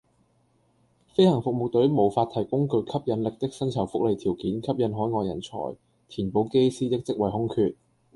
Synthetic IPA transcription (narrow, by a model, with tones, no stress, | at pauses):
fe˥jhɐ˨˩ŋfʊ˨k̚mo˨k̚t̪ɵ˨˥ɥmo˨˩wfaː˧t̪ʰɐ˨˩jkʊ˥ŋkɵ˧ɥkʰɐ˥p̚jɐ˨˥nlɪ˨k̚t̪ɪ˥k̚sɐ˥nt͡sʰɐ˨˩wfʊ˥k̚le˨˧jt̪ʰiː˨˩wkiː˨˥nkʰɐ˥p̚jɐ˨˥nɦɔː˨˥jŋɔː˧jɐ̰˨˩nt͡sʰɔ̰ː˨˩j | t̪ʰiː˨˩npo˨˧wke˥jsiː˥t̪ɪ˥k̚t͡sɪ˥k̚wɐ˨jɦʊ˥ŋkʰyː˨˧t̚